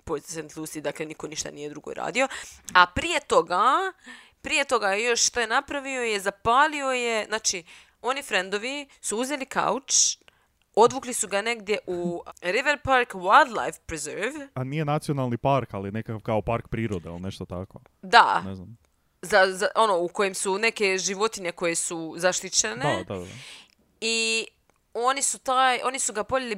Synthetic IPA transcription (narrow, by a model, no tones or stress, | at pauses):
pojt̪sent̪lˠusid̪akle̞niko̞niʃt̪a̰nije̞d̪ɾuɡo̰ɾa̰ːd̪io̞apɾije̞t̪o̞ɡa | pɾije̞t̪o̞ɡajo̞ʃʃt̪ojenapɾaʋio̞je̞zapaːlio̞je̞znaːt͡ʃi | o̞nifɾe̞nd̪o̞ʋisuuze̞lika̰ut͡ʃ | o̞d̪ʋuklisuɡane̞ɡd̪je̞ʔuɾiʋeɾpaɾkwajlˠd̪lˠa̰jfpɾezeɾʋanijenat̪sionalˠnipaɾkalijnekakaʋkaopaɾkpɾiːɾod̪eḭlneʃt̪ot̪ako | d̪a̰neznam | zazaʔo̞nouko̞jemsune̞ke̞ʒiʋo̞t̪iɲe̞ko̞je̞suzaʃt̪it͡ʃened̪aa̰ | i | o̞nisut̪ajo̞nisuɡapoʎʲeli